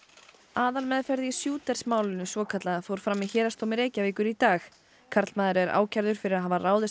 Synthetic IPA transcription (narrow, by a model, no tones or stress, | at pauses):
aːðalmɛðfɛɾðɪisjuːt̪ɛɾ̥smaːwlɪnʏsvɔːkʰat̪laðfoːwɾ̥fɾamiçɛːɾast̪owmɪɾeːjcavɪːkʏɾit̪aːx | kʰaɾt̪lmaːðɪɾɛɾʔa̰ːwcʰaɾðʏɾ̥fɪɾɪɾaðɦavaraːwðɪ